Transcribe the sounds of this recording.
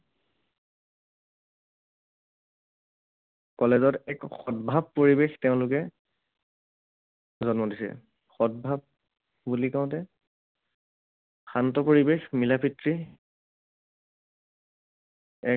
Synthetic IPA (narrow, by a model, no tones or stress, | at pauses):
kɔlɛzɔtɛkxɔtbʱabpːoɹibextɛʊ̃lʊkɛ | zɔnmɔdisɛ̰ | xɔt̚bʱab̚ | bulikaʊ̃tɛ | xantɔpoɹibexmilapʰitɹi | ɛ